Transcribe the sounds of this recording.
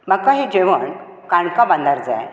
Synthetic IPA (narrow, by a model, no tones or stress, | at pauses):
m̤akaɦed͡ʑeʋəɳ | kãɳkabãnd̪aɾd͡za̰j